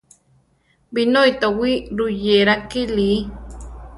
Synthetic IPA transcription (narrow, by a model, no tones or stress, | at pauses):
binojt̪awiɾujeɾakili